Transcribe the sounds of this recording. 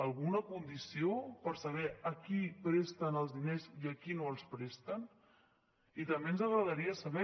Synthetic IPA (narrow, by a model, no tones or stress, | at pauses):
əlˠɣunəkund̪isiopəɾsəβ̞ɛəkipɾest̪ənəlˠzðineziəkinoəlˠspɾest̪ən | it̪əmbenzəɣɾəðəɾiəsəβɛ